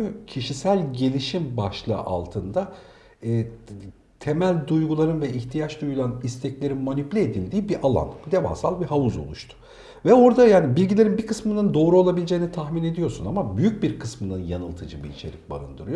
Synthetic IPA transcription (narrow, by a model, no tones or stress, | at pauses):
cʰiʃisælʲɟe̞lʲiʃimbaʃlˠɯ̰ʔa̰lˠt̪ʰɯnd̪aː | t̪ʰe̞mælʲd̪ujɡulˠaɾɯnvɛʔiçt̪ʰijat͡ʃd̪ujulˠanist̪ʰɛclʲe̞ɾinmonyplʲied̪ilʲd̪iːbiʔalˠa̰nd̪e̞va̰ːsalˠbiɦavuzo̞̰lˠuʃt̪ʰʊ̥ | vɛo̞ɾd̪ajaːnibilʲɟilʲe̞ɾinbikʰɯsmɯnɯnd̪o̞ːɾuo̞lˠabilʲed͡ʒeːinit̪ʰaxmine̞d̪ijo̞ɾsunamabyjyc̚biɾkʰɯsmɯnɯnjanɯlˠt̪ʰɯd͡ʒɯbiit͡ʃʰe̞̰ɾʲic̚ba̰ɾɯ̰nd̪ɯɾɯjo